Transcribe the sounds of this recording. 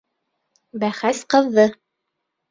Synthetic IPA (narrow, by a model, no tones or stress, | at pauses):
bæχæsqɤ̆ðːɤ